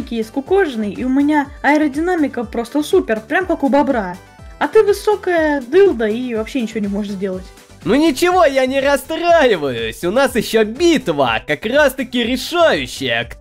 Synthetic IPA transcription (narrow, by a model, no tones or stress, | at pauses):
ɪkʲɪjesʲtʲkʊkoʐnɨjḭʊmʲɪnʲaɐɪɾədʲɪnamʲɪkəpɾo̞st̪əsupʲɪrpɾʲamkakʊbɐbɾa | ɐt̪ɨvɨso̞kəjəd̪ɨlˠd̪əivɐpɕːenʲɪt͡ɕɪvonʲɪmo̞ʐɨt̪zʲdʲe̞lˠətʲ | nunʲɪt͡ɕɪvo̞janʲɪɾɐst̪rajɪvəjʊsʲʊnasjɪɕːobʲit̪və̰kɐkrast̪əkʲɪɾʲɪʂajʉɕːɪjək